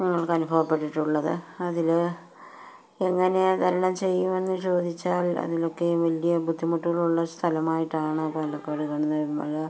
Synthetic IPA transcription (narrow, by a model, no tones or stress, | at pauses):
nɐŋːɐɭkɨɐnubʱɐʋɐpːe̞ʈːiʈːuɭːɐðɨɐðil | eŋːɐne̞d̪ɐlɐnɐmt͡ɕe̞jːume̞nːɨt͡ɕo̞ːd̪ʱit͡ɕːaːlɐ̰ðilo̞kːe̞ʋɐlijɐbʱud̪ʱːimuʈːuɣɐɭuɭːɐst̪ʰɐlɐmaːjiʈːaːɳɨpolɐkːɐɽukɐɳunːɐmɐ̰lɐ